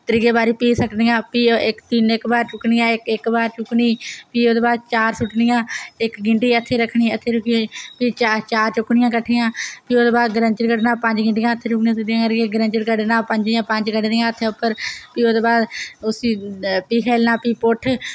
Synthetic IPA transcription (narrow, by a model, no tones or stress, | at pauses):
t̪əɾiːɡeːbaːɾiːpiːsəʈnijãːpiːɪkt̪iːnɪkbaːɾt͡ʃʊknɪjãːɪkɪkbaːɾt͡ʃʊkɳiːpiːoːd̪eːbaːd̪̚t͡ʃaːɾsʊʈnɪjãːɪkɡɪɳʈiːət̪ʰːeːɾəkʰɳiːət̪ʰːeːɾʊkʰiːpiːt͡ʃat͡ʃaːɾt͡ʃʊkɳɪjãːkəʈʰijãːpiːoːd̪eːbaːd̪ɡəɾəɲt͡ʃəɾkəɖnãːpəɲd͡ʒɡɪɳʈɪjãːət̪ʰːeːt͡ʃʊkʰnĩãːsəd̪ijãːkəɾɡeːɡəɾə̃nt͡ʃəɾkəɖnãːpəɲd͡ʒjãːpəɲd͡ʒkəɖnijãːət̪ʰːeːʊpːəɾpiːod̪eːbaːd̪ʊsiːpiːkʰeːlnãːpiːpʊʈʰ